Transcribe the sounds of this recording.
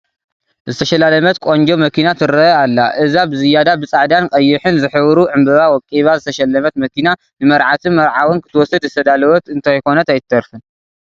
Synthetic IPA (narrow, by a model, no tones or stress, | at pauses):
zɨt̪ʰɐʃɐlalɐmɐt̪kʷʼoɲd͡ʒomɐkʰinat̪ʰɨɾɐalːaʔɨzabɨzɨjːad̪abɨt͡sʼaʕd̪ankʼɐjːɪħɨnzɨħɨβɾuʕɨmbɨβawɔkʼiβazɨt̪ʰɐʃɐlːɐmɐt̪mɐkʰina | nɨmɐɾʕat̪ʰɨmɐɾʕawɨnkʰɨt̪ʰɨwɔsːɨd̪zɨt̪ʰɐd̪alɐwɐt̪ɨnt̪ʰajko̞nɐt̪ajɪt̪ʰːɐɾfɨn